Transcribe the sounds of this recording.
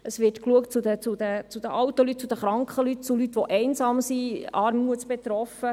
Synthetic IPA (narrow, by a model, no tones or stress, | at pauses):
əsʋɪrtkluəkt̚t͡sud̪ət͡sud̪ət͡sud̪əʔɑwt̪əlyt̚t͡sud̪əχɾɑŋkχəlyt̚t͡sulyt̪ʋɔʔɛɪnzɑːmsiɑːɾmuətt͡sb̥ɛt̪ɾɔfə